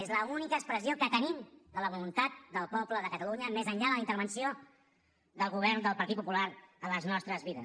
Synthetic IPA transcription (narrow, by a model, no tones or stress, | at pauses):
ezləunikəːkspɾəsiokət̪ənimd̪ələβulunt̪at̪̚d̪əlˠpɔbləðəkət̪əluɲəmezəɲʎaðələint̪əɾβənsio | ðəlˠɣuβ̞ɛrnd̪əlˠpəɾt̪it̪pupulaɾələznɔst̪ɾəzβiðə̰